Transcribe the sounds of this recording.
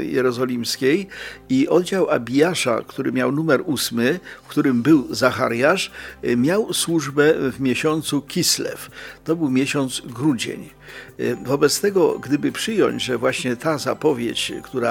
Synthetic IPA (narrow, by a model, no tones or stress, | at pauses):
jɛ̰ɾɔzɔlʲimskʲejiʔɔd̪d͡ʑawa̰bʲijaʂa̰kt̪uɾɘmʲjawnumɛɾusmɘkt̪uɾɘmbɘwzaxa̰ɾjaʂmʲjawswuʐbɛvmʲjeɕɔnt̪sukʲislɛ̰ft̪ɔbɘwmʲjɛɕɔnt̪sɡɾud͡ʑḛɲ | vɔbɛt̪st̪ɛɡɔ̰ɡd̪ɘbɘpʂɘjɔ̰ɲd͡ʑʐɛvwaɕɲɛt̪azapɔvʲjḛt͡ɕkt̪uɾa